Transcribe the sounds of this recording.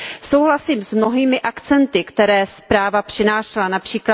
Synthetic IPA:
so̞wɦlasiːmsmno̞ɦiːmɪʔakt͡sɛnt̪ɪkt̪ɛɾɛːspɾaːvapr̝̥ɪnaːʃlanapr̥iːkla

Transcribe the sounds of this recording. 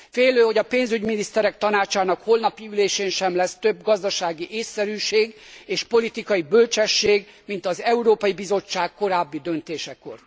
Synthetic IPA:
feːløːho̞ɟɒpeːnzyɟminist̪ɛɾɛk̚t̪ɒnaːt͡ʃaːnɒkholnɒpiyleːʃeːnʃɛmlɛst̪ø̞bɡɒzd̪ɒʃaːɡiʔeːsːɛɾyːʃeːɡeːʃpo̞lit̪ikɒjibølt͡ʃɛʃːeːɡ | mint̪ɒzɛuɾoːpɒjibizo̞t͡ʃːaːkko̞ɾaːbːid̪ø̞nt̪eːʃɛko̞̰r

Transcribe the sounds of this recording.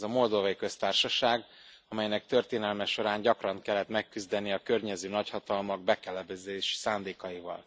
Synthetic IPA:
zɒmo̞ld̪ovɒjikø̞st̪aːrʃɒʃaːɡ | ɒmɛjnɛk̚t̪ø̞rt̪eːnɛlmɛʃo̞ɾaːɲɟɒkrɒŋkɛlːɛt̪mɛkːyzd̪ɛniɒkø̞rɲɛzøːnɒchɒt̪ɒlmɒɡ̚bɛkɛlɛbɛzeːʃsaːnd̪eːkɒjivɒ̰l

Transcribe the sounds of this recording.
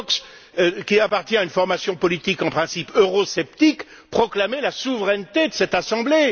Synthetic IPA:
ks | kʲiapaʁt̪jɛ̃aynfɔʁmasjɔ̃pɔlit̪ikɑ̃pχɛ̃sipʰøʁɔsɛpt̪ik | pχɔklamelasuvʁɛnt̪ed̪əsɛt̪asɑ̃ble

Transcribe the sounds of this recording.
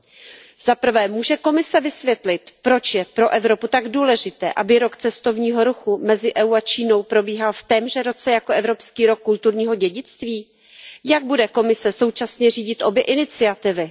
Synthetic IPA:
z̥apr̩vɛːmuːʒɛko̞mɪsɛvɪsvjɛt̪lɪt̪pɾo̞t͡ʃjɛpɾo̞ʔɛvɾo̞put̪aɡduːlɛʒɪt̪ɛ̰ːʔabɪɾo̞kt͡sɛst̪o̞vɲiːɦo̞ɾuxumɛzɪʔɛuat͡ʃiːno̞wpɾo̞biːɦalft̪ɛmʒɛɾo̞t͡sɛjako̞ʔɛvɾo̞pskiːɾo̞kːult̪uɾɲiːɦo̞ɟɛɟɪt͡st̪viː | jaɡ̚budɛko̞mɪsɛso̞wt͡ʃasɲɛr̝iːɟɪt̪ʔo̞bjɛʔɪnɪt͡sɪat̪ɪvɪ

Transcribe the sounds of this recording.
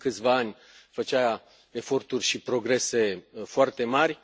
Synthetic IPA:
kɨt̪sʲvaanʲ | fət͡ʃaa | e̞fo̞rt̪urʲʃipɾo̞ɡɾe̞se̞foart̪e̞marʲ

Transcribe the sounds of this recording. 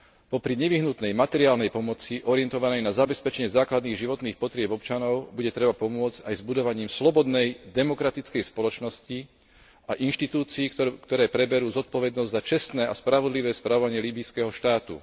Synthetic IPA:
pɔpɾiɲɛʋiɦnut̪nɛjmat̪ɛɾiaːlnɛjpɔmɔt͡siʔɔɾiɪɛnt̪ɔʋanɛjnazabɛspɛt͡ʃɛɲɛzaːklad̪niːɣʒiʋɔt̪niːxpɔt̪ɾɪɛbɔpt͡ʃanɔʊbuɟɛt̪ɾɛbapɔmʊɔd͡zcajzbud̪ɔʋaɲiːmslɔbɔd̪nɛjd̪ɛmɔkɾat̪it͡skɛjspɔlɔt͡ʃnɔsci | aʔinʃt̪it̪uːt͡siːkt̪ɔɾɛːpɾɛbɛɾuːzɔt̪̚pɔʋɛd̪nɔzɟzat͡ʃɛst̪nɛːʔaspɾaʋɔd̪liʋɛːspɾaʋɔʋaɲɪɛliːbiskɛɦɔʃt̪aːt̪ṵ

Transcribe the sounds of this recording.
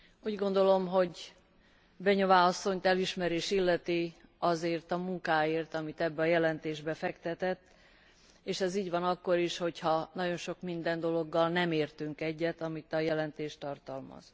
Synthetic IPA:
uːɟɡo̞nd̪o̞lo̞mɦo̞ɟ | bɛɲovaːɒsːo̞ɲt̪ɛliʃmɛɾeːʃilːɛt̪iɒzeːrt̪ɒmuŋkaːeːrt̪ɒmit̪ɛbːɛɒjɛlɛnt̪eːʒbɛfɛkt̪ɛt̪ɛt̪ː | eːʃɛziːɟʋɒnɒkːo̞ɾiʃho̞chɒnɒɟo̞nʃo̞kmind̪ɛnd̪o̞lo̞ɡːɒlnɛmeːrt̪yŋkɛɟːɛt̪ɒmit̪ɒjɛlɛnt̪eːʃt̪ɒrt̪ɒlmɒ̰z̥

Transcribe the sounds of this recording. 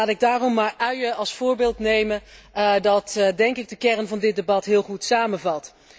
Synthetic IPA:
aːtɪɡ̚daːrɔmːaːɹœɥjəɑlˠsfʊːɹbɪːlˠtnejməndɑtdɛŋkɪɡ̚dəkɛrnvɑndɪt̚debɑtɦɪːlˠχutsaːmənvɑlˠt

